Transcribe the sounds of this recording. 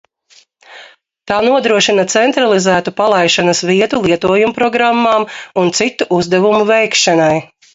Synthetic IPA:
t̪aːnuɔd̪ɾuɔʃinɐt̪sɛnt̪ɾalˠizæːt̪upalˠajʃanɐsviɛt̪ulˠiɛt̪uɔjumupɾɔɡɾamːaːmunt̪sit̪ːuʔuzd̪ɛvumuvɛjkʃanaj

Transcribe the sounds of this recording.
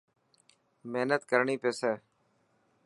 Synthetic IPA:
meɦnət̪kəɾɳiːpeːseː

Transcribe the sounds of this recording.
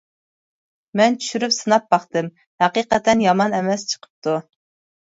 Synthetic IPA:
mɛnt͡ʃʰy̥ʃyɾypsɨnɑp̚bɑχt̪ɨm | hæqiqɛt̪ʰɛnjɑmɑnɛmɛst͡ʃʰə̥qʰə̥p̚t̪ʰu

